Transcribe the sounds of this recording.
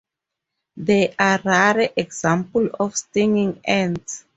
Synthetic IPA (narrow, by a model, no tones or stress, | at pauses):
ðɛʔaɹaɹəʔɛɡz̥ãmplɔfstĩŋĩŋɛ̃ns